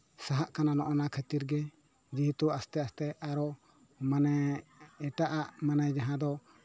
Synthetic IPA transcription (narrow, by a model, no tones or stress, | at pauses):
saɦaʔkananɔʔɔnakʰət̪iɾɡɛ | d͡ʒiɦit̪uast̪ɛast̪ɛʔaɾɔ | manɛɛʈaʔaʔmanajd͡ʒaɦãd̪ɔ